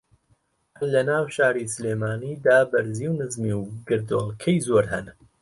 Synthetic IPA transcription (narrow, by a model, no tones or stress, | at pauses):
hɐllɐnaːwʃaːɾiːsɨleːmaːniːd̪aːbɐɾziːwnɨzmiwɡɨɾd̪oːlˠkʰɛjzoːɾhɛn